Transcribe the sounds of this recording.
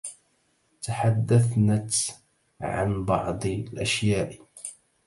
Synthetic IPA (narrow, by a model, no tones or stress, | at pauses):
t̪aħad̪ːaθnat̪ | ʕa̰nbɑ̰ʕd̪ˤlʔaʃjaːʔ